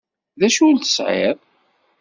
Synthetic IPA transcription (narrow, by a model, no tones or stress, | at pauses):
ðæʃult̪ə̥sʕḛɾˤ